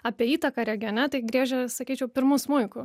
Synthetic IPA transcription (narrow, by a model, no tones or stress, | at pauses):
ɑːpʲiɛiːt̪ɐkɑːɾʲɛɡʲɪɐnʲɛt̪ɐɪɡɾʲiːʒʲɛsɐkʲiːt͡ʃʲɛʊpʲɪɾmʊsmʊɪkʊ